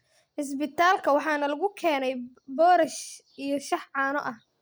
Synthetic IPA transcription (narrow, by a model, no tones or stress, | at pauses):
ħɪs̬bɪt̪ʰaːlkʰɐwɑħɑːnɐlɐɣʊkʰɛːnɛj | bɔːɾɐʃ | ʔijɞʃɑħʕɑːnɔ̰ʔɐh